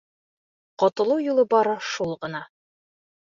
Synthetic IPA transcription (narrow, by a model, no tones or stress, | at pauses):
qɒt̪ɤ̆lˠɤwjulˠɤbɒɾɤʃulˠʁɤ̆nɑ